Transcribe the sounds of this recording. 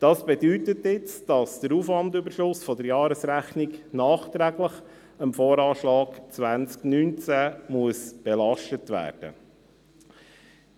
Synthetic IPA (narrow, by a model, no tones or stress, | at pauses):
d̥ɑsb̥ɛdytətɪt͡sd̥ɑsd̥əɾuːfʋɑndybəɾʃlʊsfɔd̪əɾjɑːɾəsɾæχniknɑːχt̪ɾæɡləχ | əmfɔːɾɑːʃlɑːɡ̥t͡sʋænt͡sknynt͡sæmuəsb̥ɛlɑʃtətʋæ̰ːrd̥ə̰